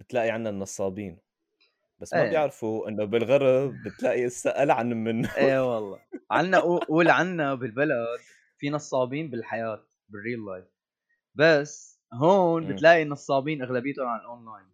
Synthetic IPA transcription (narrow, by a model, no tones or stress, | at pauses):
bɪt̪laːʔiʕanːanːɑsˤːɑːbiːn | basːmajɪʕɾfuʔɪnːobɪlɣɑɾˤɑbbɪt̪laːʔiʔɪsːaʔalʕanmːɪnːuʔeːwɑlˤːɑ̰ːʕanːaʔuʔuːlʕanːabɪlbalad̪ | finɑsˤːɑːbiːnbɪlħajaːt̪̚ | bɪrːiːlːajf | basː | ɦoːnbɪt̪laːʔinːɑsˤːɑːbiːnʔaɣlabɪjt̪ʊnʕanɪlʔonlaːjn